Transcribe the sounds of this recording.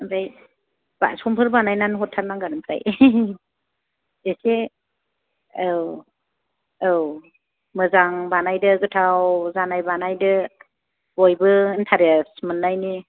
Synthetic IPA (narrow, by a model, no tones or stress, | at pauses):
mɾaj | b̥a̰sɔmpʰɯɾbanajnanɦɔtʰːaɾnaŋɡaɾɯmpʰɾa̰j | ese | w | ɯw | mɯzaŋbanajdɯɡɯtʰawzanajbanajdɯ | bojbɯntʰaɾesmɯnːajni